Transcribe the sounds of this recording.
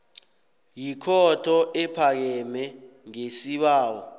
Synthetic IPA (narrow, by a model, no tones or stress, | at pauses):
jikʰɔtʰɔʔɛpʰak̬ɛmɛŋesiɓaːwɔ